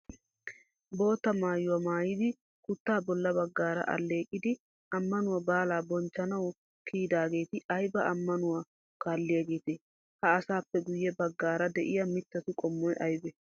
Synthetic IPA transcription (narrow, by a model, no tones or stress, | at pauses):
bo̞ːt̪ːɐmaːjʊwɐmaːjɪd̪ɪ | kʊt̪ːaːbɔlːɐbɐɡːaːɾɐ̰ʔɐ̰lːe̞ːkʼːɪd̪ɪ | ɐmːɐnʊwɐbaːlaːbɔnt͡ʃːɐnɐw | kʰiːd̪aːɡe̞ːt̪ɪɐjbɐʔɐmːɐnʊwa | kaːlːɪjɐɡeːt̪e | hɐːsaːpːɛɡʊjːɛbɐɡːaːɾɐd̪ɛʔɪjɐmɪt̪ːɐt̪ʊkʼɔmːɔjʔɐjbɛ